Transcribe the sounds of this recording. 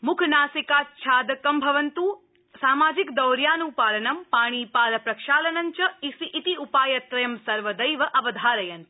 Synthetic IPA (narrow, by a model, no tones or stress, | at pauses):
mʊkʰnaːsikaːt̪̚t͡ʃʰaːd̪ɐkɐmbʱɐʋɐnt̪uː | saːmaːd͡ʒikd̪ɐwɾjaːnupaːlɐnɐmpaːɽ̃iːpaːlɐpɾɐkʃaːlɐnɐɲt͡ʃɐisiʔit̪iupaːjɐt̪ɾɐjɐmsɐɾʋɐd̪ɐjʋɐʔɐʋɐd̪ʱaːɾɐjɐn